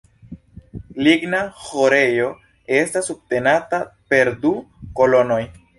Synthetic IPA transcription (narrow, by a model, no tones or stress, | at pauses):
liɡnahoɾe̞jo̞ | e̞stasub̚te̞natape̞ɾduko̞lo̞no̞j